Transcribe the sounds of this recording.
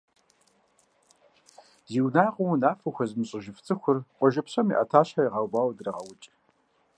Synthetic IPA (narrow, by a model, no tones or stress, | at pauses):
ziːwnaːqʼʊwnaːfɐxʷɐzmɨɕʼɪʒɪft͡sʼʰɨxʷʊrqʷʼɔʒɐpɕɐmḭːʔɐtʰaːɕħaiʁɑwbaːwdɨrɐʁɐwʊt͡ʃʼ